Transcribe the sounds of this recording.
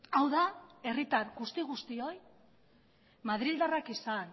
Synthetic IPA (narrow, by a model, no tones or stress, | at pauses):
awðae̞rit̪aɾɣust̪iɣust̪io̞j | maðɾild̪arakisan